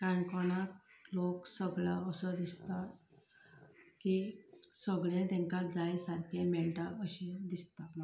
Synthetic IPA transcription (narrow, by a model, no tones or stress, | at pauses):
kãɳkɔnakloksəɡɭa̰əsəd̪ist̪a | kisəɡɭẽt̪ɛ̃ŋkad͡zajsaɾkʰemɛɭʈaəɕid̪ist̪a